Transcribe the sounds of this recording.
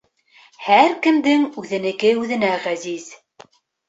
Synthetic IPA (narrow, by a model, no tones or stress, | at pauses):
hæɾkɘ̆md̪ɘŋʉðɘ̆nɘ̆kɘʉðɘ̆næʁæziz̥